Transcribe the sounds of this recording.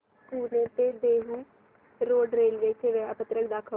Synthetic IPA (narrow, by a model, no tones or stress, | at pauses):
skuːlet̪eːd̪eːɦuː | ɾoːɖɾeːlʋeːt͡ʃʰeʋeaːpət̪ɾəkʰd̪aːkʰə